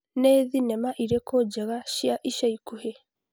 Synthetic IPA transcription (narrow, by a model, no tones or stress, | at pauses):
neːðinɛmaʔiɾekʰod͡ʒɛɣaʃjaʔiʃaikuhe